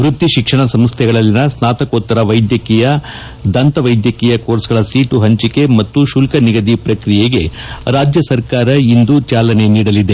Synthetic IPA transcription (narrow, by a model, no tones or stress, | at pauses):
ɾut̪ːiʃikʂɐɳɐsɐmst̪ʰɛɡɐɭɐlːinɐsnaːt̪ɐkoːt̪ːɐɾɐʋɐjd̪jɐkijɐ | d̪ɐnt̪ɐʋɐjd̪jɐkiːjɐkoːɾsɡɐɭɐsiːʈuɦɐɲt͡ʃike̞mɐt̪ːuʃulkɐniɡɐd̪ipɾɐkɾijeɡe̞ | ɾaːd͡ʒjɐsɐɾkaːɾɐind̪ut͡ʃaːlɐne̞niːɽɐlid̪e̞